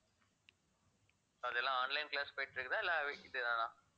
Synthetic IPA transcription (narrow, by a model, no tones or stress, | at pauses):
soɐðɛlːãːaːnlɐɪnklaːspɐjʈːɾɯkːɯt̪ãːɛlːaːʋeːɪðɯðãːnãː